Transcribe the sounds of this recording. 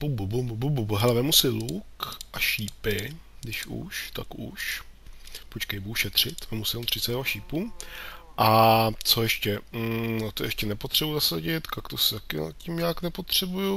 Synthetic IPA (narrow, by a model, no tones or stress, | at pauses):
bububububububɦɛlɛvɛmusɪlukʔaʃiːpɪdɪʃṵʃt̪a̰kṵʃ | pot͡ʃkɛjbuhʃɛt̪r̝̥ɪt̪vɛmusɪlut̪r̝ɪsɛdaʃiːpu | ʔat͡so̞jɛʃcɛnat̪ojɛʃcɛnɛpot̪r̝̥ɛbuzasaɟɪt̪kakt̪osɪt̪akɪna̰cimɲaːknɛpo̞t̪r̝̥ɛbuju